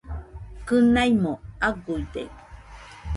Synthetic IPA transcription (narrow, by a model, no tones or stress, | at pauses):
kɨnajmoaɡuid̪ḛk